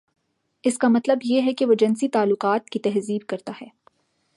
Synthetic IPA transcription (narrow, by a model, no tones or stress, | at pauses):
ɪskamɐt̪ləbjeɦɛkeʋod͡ʒɐnsit̪aːlːʊqaːt̪̚kit̪ɛɦziːb̚kɐɾt̪aɦɛː